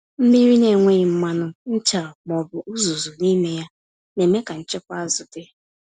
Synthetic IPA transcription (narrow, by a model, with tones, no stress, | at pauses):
m̩˦mi˦ɾi˦ne˨ŋʷe˦ɪ˨m̩˦ma˦nʊ˦n̩˦t͡ʃa˨ɔ˨k͡pɔ˨bʊ˨ʔu˦zu˨zu˨ni˦me˦ja˦ | ne˨me˦ka˨n̩˨t͡ʃe˦kʷa˦a˦zʊ˨dɪ˦